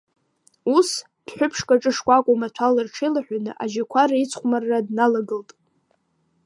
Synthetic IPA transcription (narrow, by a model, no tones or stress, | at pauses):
us | d̥ħʷᶣʊpʰʂkʼaʈ͡ʂʼɨʂkʷʼakʷʼʊmatʷʰalɨrʈ͡ʂʰilaħʷᶣanɨ̰ʔa̰ʒakʷʰaɾait͡sʰʼχʷmarːadnalaɡɨltʼ